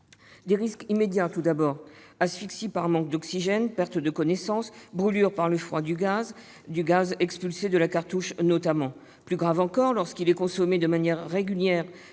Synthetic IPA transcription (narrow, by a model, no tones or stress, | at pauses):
d̪eʁiskimed̪jat̪ud̪abɔʁasfiksipaʁmɑ̃k̚d̪ɔksiʒɛnpɛʁt̪d̪əkɔnɛsɑ̃sbʁylyʁpaʁləfχwad̪yɡaz | d̪yɡazɛkspylsed̪əlakaʁt̪uʃnɔt̪amɑ̃ | plyɡʁavɑ̃kɔʁlɔʁskilɛkɔ̃sɔmed̪əmanjɛʁːeɡʲyljɛʁ